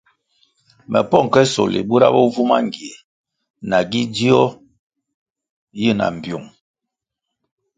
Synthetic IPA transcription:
mɛ˨pɔ˦˨ŋ˨kɛ˦so̰˨lḭ˨bu˦ɾa̰˦bɔ˦vu˦ma̰˦ŋ˨ɡi˨e˨ | na˨ɡi˦di˦ɔ˦ | ji˦˨na̰˨m̩˨bjo˨ŋ

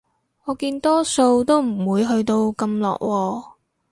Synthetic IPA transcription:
ŋɔː˨˧kiː˧nt̪ɔː˥so˧wt̪o˥wm̩˨˩wuː˨˧jɦɵ˧ɥt̪o˧wkɐ˧mlɔ̰ː˨k̚wʔɔː˧

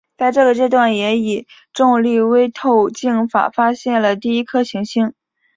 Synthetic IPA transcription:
t͡sa˥˧ɪʈ͡ʂɤ˥˩ɡə˩ʈ͡ʂe˥˧t̪̬wa˥˩njɛ˧˥i˨˩ | ʈ͡ʂʊ˥˧ŋli˥˩we˥ɪt̪ʰo˥˧ʊt͡ɕi˥˩ŋfa̰˨˩fa˥ɕjɛ˥˩nlə˩t̪i˥˩i˥kʰɤ˥ɕʰi˧˥ŋɕi˥ŋ

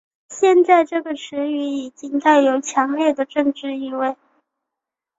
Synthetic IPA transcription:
ɕjɛ˥˧nt͡sa˥˧ɪʈ͡ʂɤ˥˩ɡə˩ʂɻ̩˧˥y˧˥i˨˩t͡ɕi˥ŋt̪a˥˩ɪjo˧˥ʊt͡ɕʰjɑ˧˥ŋljɛ˥˩d̪ə˩ʈ͡ʂɤ˥˧ŋʈ͡ʂɻ̩˥˧i˥˧we˥˩ɪ

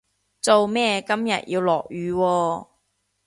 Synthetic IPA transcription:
t͡so˨˧wmɛː˥kɐ˥mjɐ̰˨t̚jiː˧wlɔː˨˩k̚jyː˨˧wɔː˧

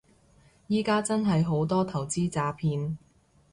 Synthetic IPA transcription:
jiː˥kaː˥t͡sɐ˥nɦɐ˨jɦo˨˥wt̪ɔː˥t̪ʰɐ˨˩wt͡siː˥t͡saː˧pʰiː˧n

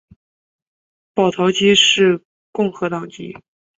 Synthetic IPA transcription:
pɑ˨˩ʊt̪ʰɑ˧˥ʊt͡ɕi˧˥ʂɻ̩˥˧ | kʊ˥˩ŋxɤ˧˥t̪ɑ˨˩ŋt͡ɕḭ˧˥

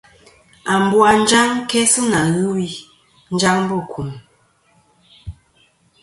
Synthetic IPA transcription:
a˨m˨bwa˨n̩˦d͡ʒa˦ŋkɛ˦sə˦na˨ɣu˦wi˦ | n̩˦d͡ʒa˦ŋ˦bə˦˨kʰu˨m

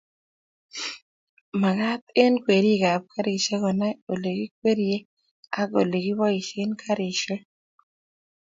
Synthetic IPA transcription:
ma˨ɣa˦t̪e˦nkwe˨ɾje˦ɡa˨p̚kʰa˦ɾɪ˨ʃe˦ɣɔ˨na˦o˨le˨ɡi˦k̚we˦ɾije˦ | a˦ɡo˨le˨ɡi˦wɔ˦ɪ˨ʃe˦nkʰa˦ɾɪ˨ʃwe˦

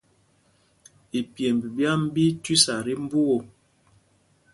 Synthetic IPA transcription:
i˨pje˨m˨bi˨bja˦m̩˦bi˦twi˦sa˨ɾi˦m˦bu˦o˨

